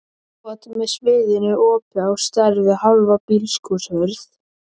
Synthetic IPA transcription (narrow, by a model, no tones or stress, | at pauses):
ɔt̪ɪmɛðsvɪːðɪnʏʔɔːpawst̪ɛɾðɪhawlvapilskushœɾθ